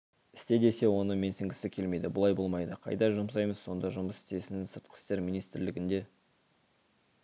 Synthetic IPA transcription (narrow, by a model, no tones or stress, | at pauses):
ɪ̥st̪e̞d̪e̞se̞wo̞nəme̞nsɪŋɡʲɪsɪkʲʰe̞lme̞jd̪ɪbʊlˠɑjbo̞lˠmɑjd̪əqʰɑ̰jd̪ɑʒʊms̬ɑjməzːo̞nd̪ɑʒʊməsɪ̥st̪e̞sɪnɪŋsəɾt̪̚qə̥st̪e̞ɾmʲinijst̪ɪɾlɪɡʲɪnd̪e̞